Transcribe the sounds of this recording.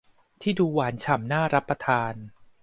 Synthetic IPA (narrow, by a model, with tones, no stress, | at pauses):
t̪ʰiː˥˩duː˧waː˩˦nt͡ɕʰa˨˩˦mnaː˥˩ɾa˦˥pːɾa˧t̪ʰaː˧n